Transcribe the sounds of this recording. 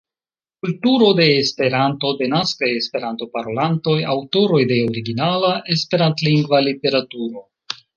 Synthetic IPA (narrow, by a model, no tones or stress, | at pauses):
kultuɾo̞de̞ːspe̞ɾanto̞de̞naskaje̞spe̞ɾanto̞paɾo̞lanto̞jawto̞ɾo̞jde̞oɾiɡinalaʔe̞spe̞ɾantliŋɡvalite̞ɾatuɾo̞